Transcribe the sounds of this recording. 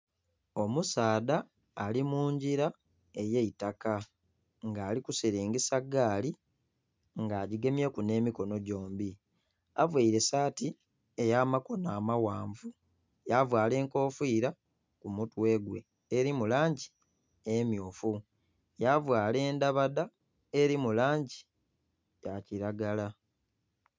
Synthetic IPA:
o̞musaːdaː | limuːɲɟiɾa | e̞jeitaka | ŋɡaːlikusiɾeːŋɡesaɡaːli | ŋɡaːɟiɡe̞mjekune̞ːmiko̞no̞ɟo̞ːmbi | avwaiɾe̞saːti | ejaːmako̞naːmawaːɱvu | javwaːle̞ːŋko̞ːfiːɾa | kumutwe̞ɡwe̞̰ː | ɾimulaːɲɟi | emjoːfu | javwaːle̞ːndaβada | e̞ɾimulaːɲɟi | jaciɾaɡala

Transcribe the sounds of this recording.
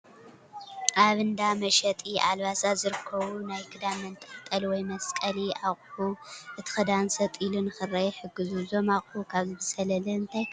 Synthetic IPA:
ʔaβɨnd̪amɐʃɐt̪ʼiʔalβasazɨɾɨkʰːɐβunajkʰɨd̪amɐnt̪ʼɐ̥ħt̪ʼɐlwɔjmɐskʼɐliaχʼħuʔɨt̪ʰi̥xɨd̪ansɐt̪ʼilunɨxɨrɐjɛħɨɡːɨzuzomaχʼukʰaβzɨbɨsɐlɐlɐɨnt̪ʰɐj

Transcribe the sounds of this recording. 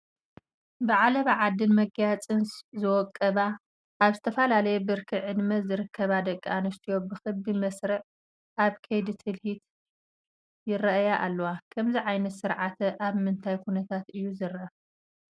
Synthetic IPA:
bɨʕalɐβɨʕad̪ːɨnmɐɡjat͡sʼɨnszɨwɔkʼːɐβa | ʔːβzɨt̪ʰɐfɐlalɐjɛbɨɾkʰɨʕɨd̪mɐzɨɾɨkʰːɐβad̪ɐkʼːanɨst̪ʰijo̞bɨxɨbimɐsɾɨʕ | ʔaβkʰɐjd̪ɨt̪ʰɨlhit̪ | jɪɾɐʔjaʔalːɐwakʰɐmziʕajnɐt̪sɨɾʕat̪ʰɐʔaβmɨnt̪ʰajkʰunɐt̪ʰat̪ɨjːuzɨɾɐ

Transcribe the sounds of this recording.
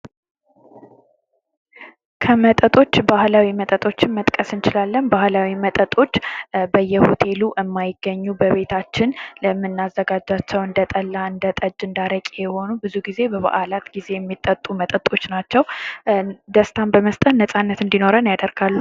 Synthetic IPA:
kʰəmət̪ʼət̪ʼo̞t͡ʃːbahlawimət̪ʼət̪ʼo̞t͡ʃːɪnmət̪ʼkʼəsɨnt͡ʃɪlalːənbahlawimət̪ʼət̪ʼo̞t͡ʃːbəjːɛhot̪ʰe̞luʔɨmːajɪɡ̥ːəɲːubəβe̞t̪ʰat͡ʃːɪnləmːɨnːazːəɡad͡ʒat͡ʃːɛwɨnd̪ət̪ʼəlːaɨnd̪ət̪ʼəd͡ʒːɨnd̪aɾəkʼjɛho̞nubɨzuɡize̞bəβa̰ʔalat̪ɡize̞jɛmːit̪ʼːət̪ʼumət̪ʼət̪ʼo̞t͡ʃːnat͡ʃːɛw | d̪əst̪ʰambəməst̪ʼət̪nəsʼanːət̪ɨnd̪ino̞ɾənjad̪əɾɡ̥alːu

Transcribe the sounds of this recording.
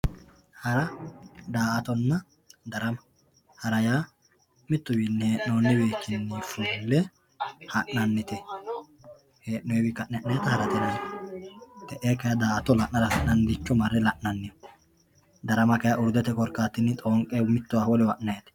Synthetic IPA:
hɐɾɐd̪aːʔɐt̪ɔnːɐ | d̪ɐɾɐmɐ | hɐɾɐjaː | mɪt̪ːʊbinːɪheːʔnoːnːɪbeːkːɪnːifulːɛ | hɐʔːɐnːɪt̪ɛ | heːʔnɔjɛbɪkːɐʔnɛʔnɐjɐt̪ɐhɐɾɐt̪ɛnɐn | t̪ɛʔeːkɐjad̪aːʔɐt̪ɔlɐʔnɐɾɐhɐʔnɐnːd̪ɪt͡ʃːɔmɐrːɛlɐʔnɐnːɪj | d̪ɐɾɐmɐkɐjɐʔʊɾd̪ɛt̪ɛkʼɔɾkːaːt̪ːɪnːɪt̪ʼoːŋkʼemɪt̪ːʊwawɔlɪwɐʔnɐjɐt̪ɛ̥

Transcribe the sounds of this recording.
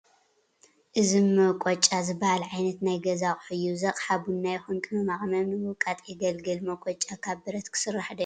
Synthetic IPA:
ʔɨzimːɐkʼot͡ʃʼazɨbɐhalʕajnɐt̪najɡɐzakʼħɨjuzɐqʼħabunːajɛxunkʼɨnomaχʼɐmɐmnɨwɔkʼat̪ʼjɛɡɐlɡɨlmɐkʷʼɔt͡ʃʼːakʰaβbɨɾɐt̪kʰɨ̥sɨrːaħd̪ɐ

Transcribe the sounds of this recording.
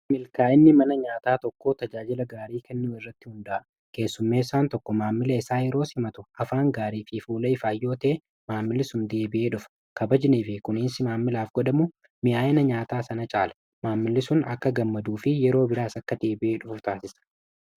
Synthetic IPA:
mɪlkaːɪnːɪmɐnɐɲaːt̪aːt̪ɔkːoːt̪ɐd͡ʒaːd͡ʒɪlɐɡaːɾiːkɛnːuːɪrːɐt̪ːɪhʊnd̪ɐʔ | ke̞ːsːʊmːeːsaːnt̪ɔkːɔmaːmːɪlɐɪsaːjɛɾo̞ːsɪmɐt̪ʊɐfaːŋɡaːɾiːfɪfuːlɐɪfaːjːo̞ːt̪ɐe | maːmːɪlːɪsʊnd̪e̞ːbɪʔe̞ːᶑʊfɐ̥ | kɐbɐd͡ʒɪniːfɪkʊnɪnsɪmaːmːɪlaːfɡɔᶑɐmʊ | mɪʔaːɪnɐɲaːt̪aːsɐnɐt͡ʃʼaːlɐ̥ | maːmːɪlːɪsʊnɐ̰kːɐɡɐmːɐd̪uːfɪjɛɾo̞ːbɪɾaːsɐkːɐd̪e̞ːbɪʔeːᶑʊfʊft̪aːsɪsɐ̥

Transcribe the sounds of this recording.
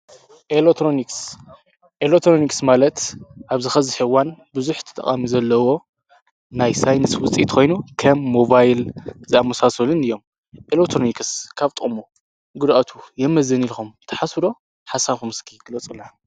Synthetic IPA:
ʔelekt̪ʰɾoniks | ʔelekt̪ʰɾoniksmalɐt̪ʔaβzɨxɐziħɨwanbɨzuħt̪ʰɨ̥t̪ʼɐ̰χʼa̰mizɐlːɐwo̞ | najsajnɨswʊt͡sʼḭt̪kʰo̞jnukʰɐmːo̞bajlzɨamɐsasɐlɨnɨjːo̞m | ʔelekt̪ʰɾonikskʰaβt̪ʼɨχʼmo | ɡud̪ʔat̪ʰujɛmːɐzɐnilxumt̪ʰɐ̥ħasɾo̞ | ħasaβxumɨskʰiɡlɐt͡sʼɨlːa

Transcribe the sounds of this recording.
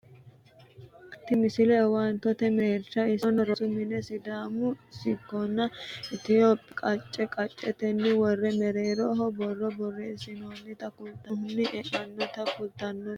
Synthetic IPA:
t̪ːɪmɪsɪlɛwaːnt̪ɔt̪ɛmeːɾʃɐɪsnɐɾɔsʊmɪnɛsɪd̪aːmʊsɪkːɔnːɐʔɪt̪ɪjoːpʼkʼɐt͡ʃʼːɛkʼɐt͡ʃʼːɛt̪ɛnːɪwɔrːɛmɛɾeːɾɔːɦɔbɔrːɔbɔrːɛɪsɪnonːɪt̪ɐkʊlt̪ɐhʊnːɪʔɛʔɐnːɔt̪ɐkʊlt̪ɐnːɔ

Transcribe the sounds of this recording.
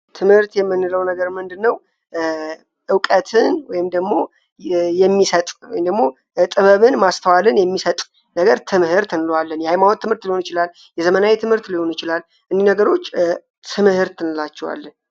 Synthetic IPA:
t̪ʰɨmhɨɾt̪jɛmːɨnːɨləwnəɡəɾmɨnd̪ɨnːəw | ʔɨwkʼət̪ʰɨnwɔjɪmd̪əɡmo̞ | jɛmːisət̪ʼwɔ̰jɪmd̪əɡmːo̞ | t̪ʼɨβəβɨnmast̪ʰəwalɨnjɛmːisət̪ʼ | nəɡəɾt̪ʰɨmhɨɾt̪ʰɨnɨlowalːənjɛhajmawot̪ʰːɨmhɨɾt̪lihonjɪt͡ʃɪlalː | jɛzəmənawet̪ʰɨmhɨɾt̪liho̞njɪt͡ʃɪlal | ʔɨnd̪inəɡəɾo̞t͡ʃː | t̪ʰɨmhɨɾt̪ʰɨnɨlat͡ʃːɛwa̰lːən

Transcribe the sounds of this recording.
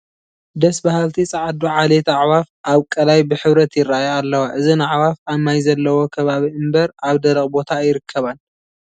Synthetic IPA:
d̪ɐsbahalt̪ʰit͡sʼɐʕad̪uʕalet̪aʕwafʔaβkʼɐlajbɨħɨβɾɐt̪jɪrːaajalːɐwaʔɨzinaʕwafamajzɐlːɐwo̞kʰɐβaβiɨmbɐɾaβd̪ɐlɐχʼbo̞t̪ʰajɪɾɨkʰːɐβan

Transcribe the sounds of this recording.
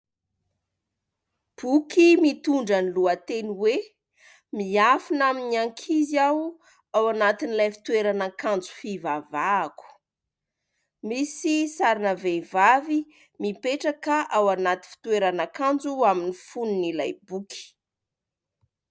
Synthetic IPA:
b̥ukimit̪uɳɖ͡ʐəniluət̪eniwe | miafinaminiaŋkʰiziaw | awanat̪inilajfi̥t̪weɾanakand͡zu̥fivavaːku̥ | misisaɾinəvevavi | mipeʈ͡ʂakaʔawanat̪i̥fi̥t̪ueɾanakand͡zuaminifununilajbukʰi̥

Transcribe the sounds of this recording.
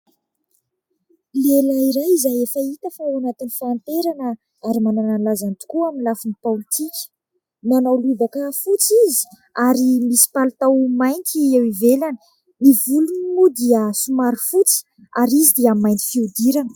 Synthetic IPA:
lelaiɾajizajefəit̪əfaanat̪inifant̪eɾanə | aɾimanananlazant̪u̥kuaminlafinipalit̪ikʲə̥ | nanawluvakəfut͡sizi̥ | aɾimisi̥palt̪awmajnt̪iewivelanə̥ | nivuluninud̪iəsumaɾifut͡si̥ | aɾizid̪iamːajnt̪i̥fiud̪iɾanə̥

